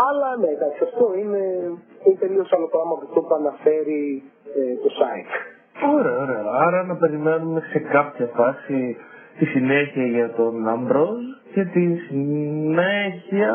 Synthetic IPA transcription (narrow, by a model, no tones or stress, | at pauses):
ɐlɐnek̪ɐksɐft̪o̞ineinepe̞lio̞sɐlopɾɐmɐt̪ikt̪opuɐnɐfe̞ɾi | et̪osɐit̪ | o̞ɾe̞ɐoɾe̞ɐɐɾɐnɐpe̞ɾime̞nume̞se̞kɐpçɐfɐsit̪isine̞çiɐʝɐt̪o̞nɐmbɾo̞sce̞t̪isineçiɐ